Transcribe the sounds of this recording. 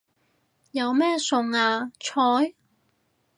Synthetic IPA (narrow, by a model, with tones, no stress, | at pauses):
jɐ˨˧wmɛː˥sʊ˨ŋaː˧t͡ʃʰɔː˨˥j